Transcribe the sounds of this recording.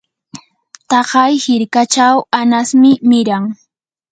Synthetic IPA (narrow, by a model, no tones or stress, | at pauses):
t̪ɑɢɑjhɪɾkat͡ʃawanasmɪmɪɾaŋ